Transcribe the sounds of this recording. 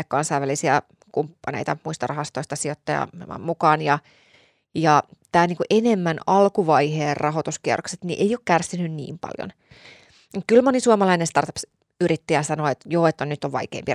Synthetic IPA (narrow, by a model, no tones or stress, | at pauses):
ekkɑnsɑiʋːælisiæ | kumpːɑnḛijt̪ɑmuist̪ɑrɑɦɑst̪oist̪ɑsiot̪ːɑjɑ̰ɑ̰mmukɑːnjɑ | jɑt̪æːniːkuʔenemːænɑlkuʋɑjheːrrʔɑɦot̪uskiɛ̰rokset̪nḭʔeijoːkkærsinynnḭːmpɑ̰ljo̰n | ukylmonisuɑmɑlɑinest̪ɑrt̪ɑps | yɾit̪ːæjɑsɑnoet̪joːet̪ːænyt̪ːoʋʋɑ̰ikḛːmpi